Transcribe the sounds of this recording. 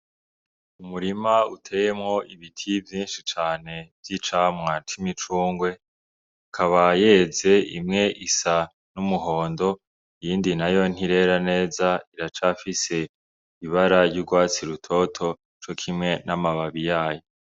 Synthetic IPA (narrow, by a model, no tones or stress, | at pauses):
umuɾimautʰe̞ːje̞mŋo̞ʔiβitʰivjiːnʃit͡ʃaːne̞vjit͡ʃamŋat͡ʃimit͡ʃuːŋɡwe̞ | akʰaβaje̞ze̞imŋe̞ʔisa | numuɦo̞ːndo̞ | ijiːndinajo̞n̥iɾe̞ɾane̞ːzaiɾat͡ʃafise̞ | iβaɾaɾɟuɡwaːt͡siɾutʰo̞tʰo̞ | t͡ʃo̞kʰimŋe̞namaβaβijaːjo